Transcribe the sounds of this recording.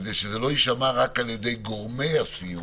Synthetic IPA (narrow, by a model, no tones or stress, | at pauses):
zeʃezelo̞iʃamaʁakaljed̪e̞jɡoʁmeasiju